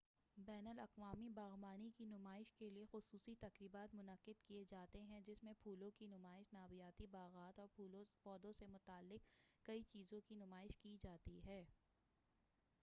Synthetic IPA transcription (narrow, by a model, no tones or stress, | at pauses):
bɛːnəlɐqʋaːmibaːɣmaːnikinʊmaːɪʃkeliexʊsuːsit̪ɐqɾiːbaːt̪mʊnəqɪd̪kied͡ʒaːt̪eɦɛ̃d͡ʒɪsmẽpʰuːlõkinʊmaːɪʃnaːwijaːt̪ibaːɣaːt̪ɔːɾpɔːd̪õsemʊt̪aːlːɪkkːɐit͡ʃiːzõkinʊmaːɪʃkid͡ʒaːt̪iɦɛː